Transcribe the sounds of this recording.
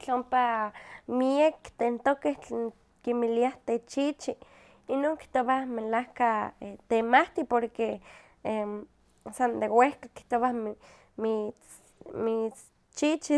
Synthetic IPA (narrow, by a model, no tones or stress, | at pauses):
t͡ɬompamiekt̪ent̪okeht͡ɬeːn | kimiliaht̪et͡ʃit͡ʃi | inoːŋki̥ht̪oβamelahkaet̪emaht̪ipoɾke | e | sand̪ewehkaki̥ht̪oβa | mit͡s | mit͡s | t͡ʃit͡ʃi